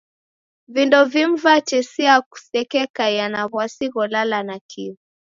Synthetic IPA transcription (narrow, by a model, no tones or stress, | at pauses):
vindɔvim̩vat͡ʃɛsiaku̥sɛkɛkajanaβwasiɣɔlalanakʰivi